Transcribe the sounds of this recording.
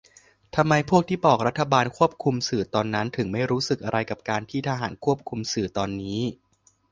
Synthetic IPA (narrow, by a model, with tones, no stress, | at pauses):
t̪ʰa˧mːa˧jpʰu˥˩ək̚t̪ʰiː˥˩pɔː˨˩k̚ɾa˦˥t̪ʰːa˧baː˧nkʰu˥˩əp̚kʰu˧msɯː˨˩t̪ɔː˧nːa˦˥nt̪ʰɯ˩˦ŋma˥˩jɾuː˦˥sɯ˨˩k̚ʔa˧ɾa˧jka˨˩p̚kaː˧nt̪ʰiː˥˩t̪ʰaː˧ɦa̰ː˩˦nkʰu˥˩əp̚kʰu˧msɯː˨˩t̪ɔː˧nːiː˦˥